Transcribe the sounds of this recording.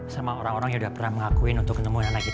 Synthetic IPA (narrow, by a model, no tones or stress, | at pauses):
samaoɾaŋoɾaŋjãudahpərnahməŋakuɪnunt̪ʊkːət̪əmuananakit̪